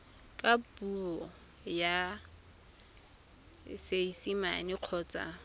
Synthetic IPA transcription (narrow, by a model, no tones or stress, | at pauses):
kʼapuɔ | ja | seisima̰niq͡χʰɔːt͡sʼa̰